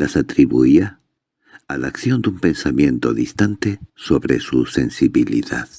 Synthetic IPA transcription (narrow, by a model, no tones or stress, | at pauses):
lasat̪ɾiβuia | alakθjo̞nd̪umpe̞nsamjẽ̞nt̪oðist̪ant̪esoβɾe̞̰suse̞nsiβilḭða̰ð